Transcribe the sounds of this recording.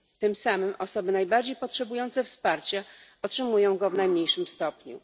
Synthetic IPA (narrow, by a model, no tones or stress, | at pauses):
t̪ɘmsamɘmʔɔsɔbɘnajbaɾd͡ʑejpɔtʂɛbujɔnt̪sɛfspaɾt͡ɕaɔtʂɘmujɔ̃w̃ɡɔvnajmɲejʂɘmst̪ɔpɲṵ